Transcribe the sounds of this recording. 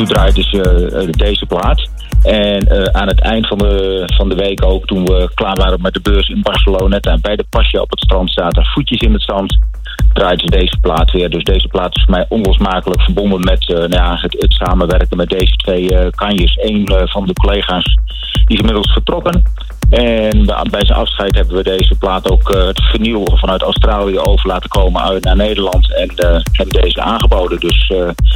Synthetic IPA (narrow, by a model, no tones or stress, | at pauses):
tudraːjdəsədejzəplaːt | ʔɛnəaːnətʰɛ̰jndəfɑndəfɑndəʋejkoːktunʋəklaːɹʋaːɾənmɛdəbøːrsɪnbɑɹsəloːnɛtabɛjdəpɑʃjəɔ̰pətstrɑntstaːtərfutjəsɪnətsɑnt | d̥raːjdəzədejzəplaːtʋɪːrdøsdejzəplaːtɪ̥sfərmɛjʔɔnlɔsmaːkələkfərbondənmɛtnjaətətsaːmənʋɛrkənmɛt̚dejzətʋejkɑnjəsejnvɑndəkolejχaːs | disɪnmɪdəl̩ˠsfərtrɔkən | ɛnbɛjzənɑfsχɛjtɦɛbənʋədejzəplaːtowkətfərnilˠfɑnœɥtawstraːliəowvərlaːtəkowmənœɥtnaːnejdərlɑntɛnhɛbəndeːzəa̰ːnχəbowdəndøs